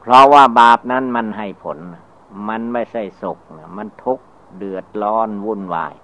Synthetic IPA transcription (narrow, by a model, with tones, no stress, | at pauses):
pʰɾɔ˧waː˧˩baː˨˩p̚na˦˥nma˧nɦa˧˩jpʰo˨˦nːa˧˩ | ma˧˥nma˧˥˩jsa˧˥˩jso˨˩k̚na˧˩ma˧˥nt̪ʰu˦˥k̚ | dɯ˨˩ət̪̚lɔː˧˥nwu˧˩˨nwa̰ː˧˩j